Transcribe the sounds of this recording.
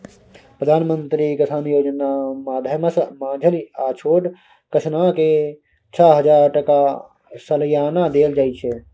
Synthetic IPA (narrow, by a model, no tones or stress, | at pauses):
pɾəd̪ʱaːnmənt̪ɾikəsaːnjoːd͡ʒənamaːd̪ʱjəməsmãːd͡ʒʱəliat͡ʃʰoːɖ | kət͡ʃʰnake | t͡ʃʰaɦəd͡ʒaːɾʈəka | sələjaːnad̪eːld͡ʒaːɪt͡ʃʰe